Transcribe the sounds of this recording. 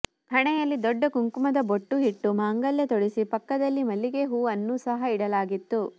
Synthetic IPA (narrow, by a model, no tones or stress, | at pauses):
hɐɳɛjɐlːid̪ɔɖːɐkuŋkumɐd̪ɐboʈːuɦiʈːumaːŋɡɐljɐt̪ɔɽisipɐkːɐd̪ɐlːimɐlːiɡeɦuːɐnːuːsɐɦɐiɽɐlaːɡit̪ːu